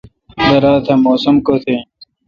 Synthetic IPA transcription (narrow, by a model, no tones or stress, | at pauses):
d̪ɐɾaːt̪ʰɐmoːsɐmkot̪ʰe